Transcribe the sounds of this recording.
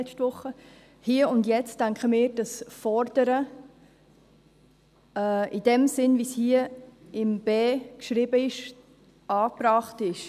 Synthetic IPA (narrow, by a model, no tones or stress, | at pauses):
ɛstʋʊχə | hiːəʊndjɛt͡stːaŋkχəmɪːɾd̥ɑsfɔɾd̥əɾə | ɛːɪd̥ɛmsɪnvishiəɪmb̥eːkʃɾɪbəɪʃ | ɑːpɾɑːχtɪʃ